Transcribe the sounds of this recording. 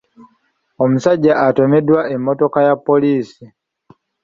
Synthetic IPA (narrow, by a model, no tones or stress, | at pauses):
ɔm̩saɟaʔatɔmɛdwaɛmɔtɔkajapɔlisi